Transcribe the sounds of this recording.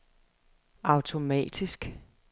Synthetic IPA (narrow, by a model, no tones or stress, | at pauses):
ʔɑ̈ʊt͡sʰo̝mɛ̰ːd̥isɡ̥